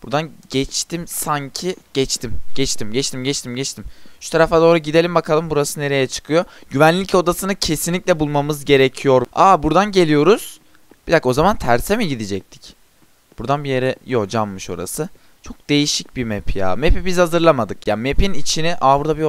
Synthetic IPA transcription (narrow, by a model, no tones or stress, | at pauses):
buɾd̪anɟɛt͡ʃt̪ʰimsaɲcʰiɟ̥ɛt͡ʃt̪ʰimɟ̥ɛt͡ʃt̪ʰimɟɛt͡ʃt̪ʰimɟɛt͡ʃt̪ʰimɟɛt͡ʃt̪ʰimʃu̥t̪ʰaɾaft̪ad̪oɾaɟid̪elʲimbakʰalˠɯmbuɾasɯne̞ɾe̞jɛt͡ʃʰɯ̥kʰɯjo̞ɟyvænlʲːico̞d̪asɯnɯcʰe̞sinlʲicʲlʲɛbulˠmamɯzɟe̞ɾecʰijo̞ɾaːbuɾd̪anɟe̞lʲijo̞ɾuz̥ | b̥id̪ako̞zamant̪ʰæɾsemiɟid̪id͡ʒɛc̚t̪ʰi̥c | b̥uɾd̪anbijeɾɛjod͡ʒamːɯʃo̞̰ɾa̰sɯ | t͡ʃʰo̞k̚d̪e̞jiʃic̚bimepʰija̰ːmepibizhazɯɾlˠamad̪ɯkjaːnmepinit͡ʃʰiniʔaːbuɾd̪abi